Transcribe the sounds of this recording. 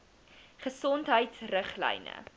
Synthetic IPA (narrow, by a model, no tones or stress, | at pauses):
χəsɔntɦəjtsrəχlɛ̰jnə̰